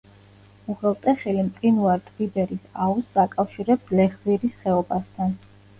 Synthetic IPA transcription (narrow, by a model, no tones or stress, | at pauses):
uʁɛlˠt̪ʼɛχilimt̪ʼinuaɾt̪ʼʁibɛɾisausakʼafʃiɾɛb̚d̪lɛχziɾisχɛɔbast̪ʰan